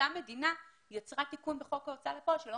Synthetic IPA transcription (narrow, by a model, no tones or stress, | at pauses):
ame̞dina | jot͡sʁatikunbeχo̞kajot͡salepolʃelo